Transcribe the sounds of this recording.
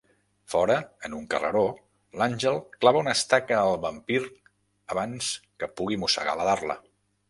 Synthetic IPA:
fɔɾəənuŋkə̰rə̰ɾo | lanʲʒəlˠklaβəunəst̪akəːlˠβəmpiɾ | əβanskəpuɣ̞imusə̰ɣa̰ləðarlə̰

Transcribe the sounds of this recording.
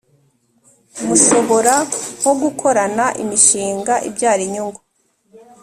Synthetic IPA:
muʃo̞βo̞ɾawoɡukʰo̞ɾanaʔḭmiʃiːŋɡaʔḭbɟaːɾiɲuŋɡo

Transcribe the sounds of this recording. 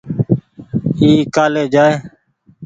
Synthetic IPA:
iːkaːleːd͡ʒaːeː

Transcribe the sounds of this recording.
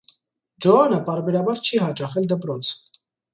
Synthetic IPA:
d͡ʒɔɑnəpɑɾbɛɾɑbɑɾt͡ʃʰiɦɑt͡ʃɑχɛld̪əpɾɔt͡sʰ

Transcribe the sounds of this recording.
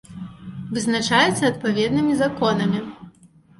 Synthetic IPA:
vɨznat͡ʂajɛt̪sːɐːt̪̚pavʲɛd̪nɨmʲizakɔnɐmʲi

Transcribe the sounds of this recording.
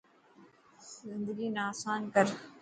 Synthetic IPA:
zɪ̃nd̪əɡiːnaːsaːnkəɾ

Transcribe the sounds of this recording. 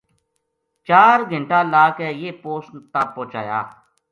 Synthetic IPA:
t͡ʃaːɾɡʱəɳʈaːlaːkɛːjeːpoːsnt̪aːpõːt͡ʃa̰ːja̰ː

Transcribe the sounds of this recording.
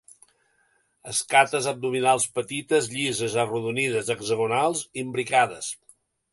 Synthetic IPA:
əskat̪əzəb̚d̪uminalˠspət̪it̪əzʎizəzəruðunið̞əzəɡzəɣunalˠzimbɾikaðəs

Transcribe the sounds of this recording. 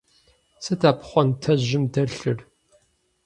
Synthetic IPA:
sɨtʰaːpʰχʷɔntʰɐʑɪmdɐɬɨr

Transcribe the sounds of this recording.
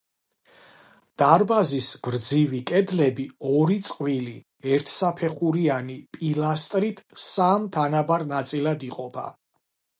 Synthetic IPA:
d̪̥aɾbazisbɾd̪zivikʼɛd̪lɛbiɔɾit̪sʼqʼvili | ɛɾt̪ʰsapʰɛχuɾianipʼilast̪ʼɾit̪ʰsamt̪ʰanabaɾnat̪sʼilad̪iqʼɔpʰa̰

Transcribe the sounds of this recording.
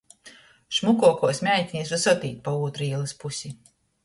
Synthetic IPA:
ʃmukuɔkuɔsmʲæjt̪ʲinʲisvasɔt̪iːt̪̚pauːt̪ɾiːlˠɨspusʲi

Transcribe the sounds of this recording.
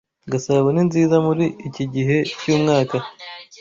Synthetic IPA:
ɡasaβweninziːzamuɾiːciɟiɦe̞cuːmŋaːka

